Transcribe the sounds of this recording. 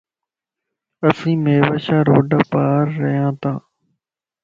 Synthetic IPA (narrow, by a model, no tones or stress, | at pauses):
əsĩːmeːʋəʃaːɾoːɖəpaːɾːəɦjãːt̪ãː